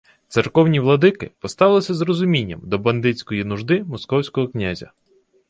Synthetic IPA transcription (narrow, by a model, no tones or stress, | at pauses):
t̪sɪrkɔwnʲiʋlˠɔd̪ɪkɪ̰pɔst̪ɑlˠɪsʲɐzrɔzʊmʲinʲːɐmd̪ɔbɐnd̪ɪt͡sʲkɔjinʊʒd̪ɪmɔskɔwsʲkɔɦɔknʲazʲɐ̰